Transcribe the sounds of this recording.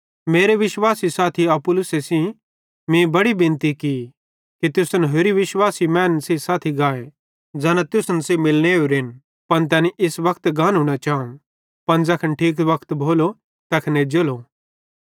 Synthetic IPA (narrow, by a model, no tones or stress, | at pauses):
meːɾeʋɪʃwaːsisaːt̪ʰiɐpʊlʊsesĩ | mẽːbɐɽibɪ̃nt̪iki | kit̪jʊsənɦoːɾiʋɪʃwaːsimɛ̃ːnsisaːt̪ʰiɡaːe | d͡zaːnãt̪jʊsənsemɪlneuɾɪn | pɐnt̪̬ɛːniʔɪsʋɐkʰt̪ɡãːnɦʊːɽ̃at͡ʃaːũ | pɐnd͡zɐkʰənʈʰiːk̬ʋɐkʰt̪bʱoːlo | t̪ɛkʰned͡ʒolo